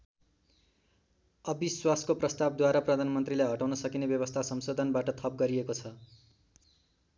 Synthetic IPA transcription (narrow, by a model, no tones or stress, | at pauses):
ʌbiswaskoprʌst̪abd̪waɾaprʌd̪ʱanmʌnt̪rilajɦʌʈawnʌsʌkinebjʌβʌst̪ʰasʌmsod̪ʱʌnbaʈʌt̪ʰʌp̚ɡʌɾiekot͡sʰʌ